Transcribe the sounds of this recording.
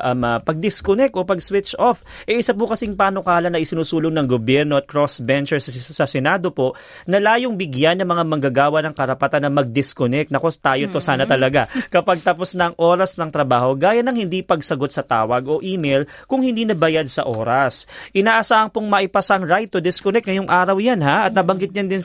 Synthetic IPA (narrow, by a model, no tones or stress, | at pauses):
ʔɐmɐpɐɡ̚d̪ɪskonɛk̚t̪ʔo̞pɐɡswɪt͡ʃʔofʔɛʔɪsɐp̬ʊkɐsɪŋpaːnokaːlɐnːɐʔɪsɪnuːsuːloŋnɐŋɡobjɛɾno̞ʔɐt̪̚kɾosbɛnt͡ʃɛɹsɐsɐsɛnaːd̪o̞po̞ʔ | nɐlaːjoŋbɪɡjanːɐŋmɐŋamɐŋɡaɡaːwɐnɐŋkɐɾɐpɐt̪anːɐmɐɡ̚d̪ɪskonɛk̪̚nɐko̞t̪aːjo̞t̪o̞saːnɐt̪ɐlɐɡakɐpaɡ̚t̪ɐposnɐɐŋʔoːɾɐsnɐŋt̪ɾɐbaːho̞ɡaːjanɐŋhɪnd̪ipɐɡsɐɡo̞t̪̚sɐt̪a̰ːwɐɡo̞ʔiːmɛjl | kʊŋhɪnd̪iːnɐbɐjad̪̚sɐ̰ʔoːɾɐsʔɪnaːʔɐsaːhɐŋpoŋmɐʔɪpasaɐŋɾajt̪ːod̪ɪskonɛk̪̚ŋɐjoŋʔaːɾɐwjanhaɐt̪̚nɐbɐŋɡɪt̪̚ɲɐnd̪ɪn